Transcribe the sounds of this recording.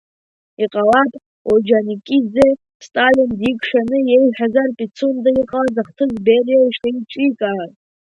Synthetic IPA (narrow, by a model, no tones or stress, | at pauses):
iqʼalatʼ | od͡ʒanikʲʼid͡ze | stʼalindikʷʰʼʂanɨjejħᶣazarpʼit͡sʰundaiqʼalazaχtʰɨzberjaiʂeit͡ʃʼikʼar